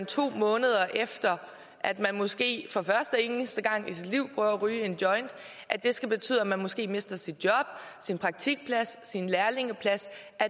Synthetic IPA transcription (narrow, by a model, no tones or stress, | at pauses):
nt͡sʰo̝̰ːmɔ̽ːnəð̞ˠɐʔefd̥ɐ | ʔæd̥mænmɔ̽sɡ̥e̝̰ːfɒ̽fɶɐsd̥əenəsd̥əɡ̥ɑ̈ŋ̰isid̥liʊ̰b̥ʁyːɐʁyːe̝nd̥jɒ̽ɪnd̥ | ʔæd̥e̝sɡ̥æb̥e̝t͡sʰy̰ð̰ˠæmænmɒ̽sɡ̥e̝̰ːme̝sd̥ɐsid̥̚jɒ̽b̥ | sinpʰʁɑ̈ɡ̥̚t͡sʰiɡ̥̚pʰlæsːinlæɐle̝ŋəpʰlæs | ʔæ